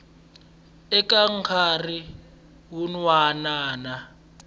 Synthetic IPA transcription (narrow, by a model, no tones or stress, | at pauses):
ɛk̬ʼaŋ̩kʰari | wunwanaːna